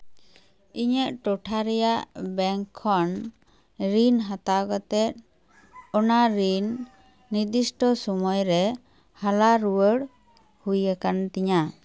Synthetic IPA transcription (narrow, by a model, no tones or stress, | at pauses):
iɲəʔ̚ʈɔʈʰaɾɛjaʔbɛŋkʰːɔn | ɾinɦat̪aɡɔt̪ɛt̪̚ | ɔnaɾinː | iɾd̪isʈɔsɔmɔjɾɛ | halaɾuwəɽ | hujakant̪iɲa